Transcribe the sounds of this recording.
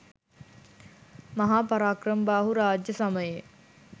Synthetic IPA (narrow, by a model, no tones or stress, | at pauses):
mɐɦaːpaɾaːkrəmbaːɦuɾaːd͡ʒjəsaməje